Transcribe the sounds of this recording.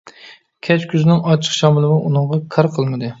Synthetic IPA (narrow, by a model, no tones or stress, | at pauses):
kʲʰɛt͡ʃkʲʰyznɪŋɑt͡ʃʰːə̥qʃɑmɨlˠɨmɨʔunɨŋʁɑkʰɑɾqʰəlˠmɨd̪ɨ